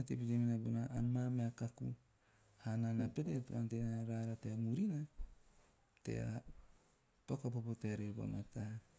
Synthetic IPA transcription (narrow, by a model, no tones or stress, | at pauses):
atepiteminabunaanmameakaku | hananapetetua̰ntenaɾaɾateamuɾina | te̞̰a̰ | pokopopoteaɾeba̰matah